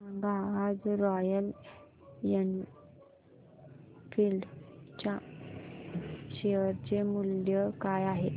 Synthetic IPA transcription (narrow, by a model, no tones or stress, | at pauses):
aŋɡaad͡zɾɔjəl | jən | filɖt͡ɕã | ɕeɦəɾt͡ɕemuljəkajaɦe